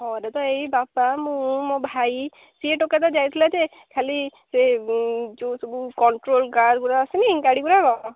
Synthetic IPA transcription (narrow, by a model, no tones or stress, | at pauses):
hɔɾat̪ɔejbapamũmobʱaj | sieʈɔkat̪ad͡ʒajt̪ʰilad͡ʒe | kʰali | se | t͡ʃusobukɔɳʈɾolkaɖɡuɾaːsiniŋkaɽiɡuɾaɡɔɔ